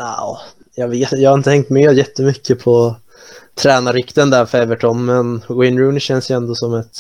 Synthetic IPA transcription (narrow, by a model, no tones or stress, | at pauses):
na̰ʊ | jɑːɡveːt̪jɑhaɾɪnt̪əhɛŋkt̪meːɔjɛt̪ːəmʏkːəpʰɔ | t̪ʰɾæːnaɾɪkt̪ənd̪æːɾfɛːvəʈʰɔnmɛnwɪnɾuːnɪɕɛnːsjəɛnd̪ɔsɔmɛt̪